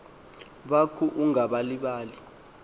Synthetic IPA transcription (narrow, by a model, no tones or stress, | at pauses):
ɓakʰuʔuŋaɓaliɓaːli